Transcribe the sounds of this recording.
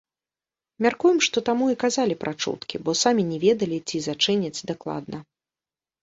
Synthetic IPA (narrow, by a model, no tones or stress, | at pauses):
mʲarkujɛmʂt̪ɔt̪amuikazalʲipɾʔat͡ʂṵt̪kʲḭbɔsamʲinʲɛvʲɛd̪ɐlʲit͡sʲizat͡ʂɨnʲɐt͡sʲd̪aklˠa̰d̪nʔɐ